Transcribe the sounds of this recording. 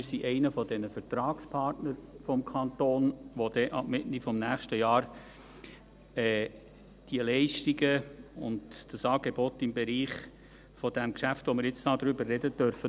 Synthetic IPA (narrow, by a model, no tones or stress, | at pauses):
mɪsiʔɛɪnəfɔd̥ɛnəfəɾtɾɑːkspʰɑɾtnəɾfɔmkʰɑnt̪oːnʋod̥ɛʔɑ̰b̥mɪtnifɔmnæːχʃtəjɑːɾ | ɛ | d̥iəlɛɪʃtiɡəʊ̰ndd̥əsɑːɡ̥ebɔt̪ːɪmbeɾiːχ | fɔd̥æmkʃæftʋomɪɾjɪt͡stɑːd̪ɾʏbərːɛdəd̥œɾfə